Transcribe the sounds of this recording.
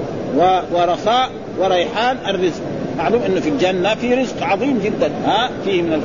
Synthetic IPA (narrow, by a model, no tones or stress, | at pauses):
wwɪɾˤɑsaːʔ | wɪɾˤɑjħaːnʔarːɪzq̚maʕluːmʔɪnːufild͡ʒanːafiɾɪzqʕɑðˤiːmd͡ʒɪd̪ːanhafiːhmɪnal